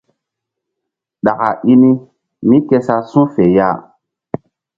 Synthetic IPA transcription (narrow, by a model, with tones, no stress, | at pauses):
ɗa˨ka̰˨ʔi˦ni˦ | mĩ˦ke˦sa˦sũ˦fe˨ja̰˦